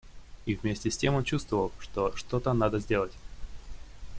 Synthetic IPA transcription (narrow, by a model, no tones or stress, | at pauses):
ivʲmʲesʲtʲɪsʲtʲe̞mo̞nt͡ɕust̪vəvəlˠʂt̪o̞ʂt̪o̞t̪ənad̪əzʲdʲe̞lˠətʲ